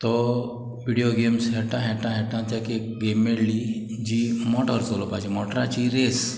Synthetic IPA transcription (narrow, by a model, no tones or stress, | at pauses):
t̪ɔ | ʋiɽioɡemsɦɛʈãɦɛʈãɦɛʈãt̪ɛkekɡemeɽli | d͡ʑimɔʈəɾsolɔpad͡ʑimɔʈɾãt͡ɕiɾes